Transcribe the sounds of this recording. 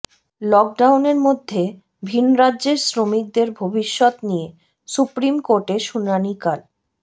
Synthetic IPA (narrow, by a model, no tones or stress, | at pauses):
lɔk̚ɖawneɾmod̪ʱːe | bʱinɾadːʑeɾsɾomik̚d̪eɾbʱobiʃːɔt̪nije | supɾimkoɾʈeʃunanikal